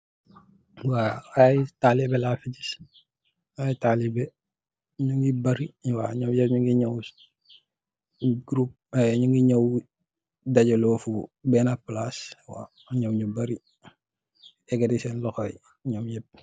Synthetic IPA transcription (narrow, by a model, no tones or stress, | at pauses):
waajtalibɛlafiɟis | ajtalibɛ | ɲuŋɡibɐɾiwaɲɔːmjɛp̚ɲuŋɡiɲɔw | ɡɾup̚ɲuŋɡiɲɔw | dɐɟɐlɔːfubɛnaplaswa̰ | ɲɔwɲubɐɾi | ɛɡɐdisɛnlɔxɔj | ɲɔmjɛp̚